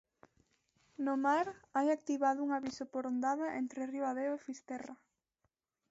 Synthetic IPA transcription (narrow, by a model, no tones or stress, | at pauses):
nomaɾajak̚t̪iβaðʊuŋaβisopoɾond̪aðaʔḛnt̪ɾeriwaðewefist̪ɛra